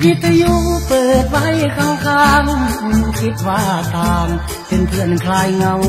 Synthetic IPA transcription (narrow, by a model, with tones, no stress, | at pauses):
ki˧˥t̪ʰːa˧ju˧˥˧pɤː˨˩t̪̚wa˧˨jkʰa˧ŋkʰaː˧ŋɯ˧˩ki˦˥t̪̚wa˧˥˩t̪aː˨˩ŋ | pe˧nt̪ʰɯ˧˩ənkʰlaː˧jŋa˧w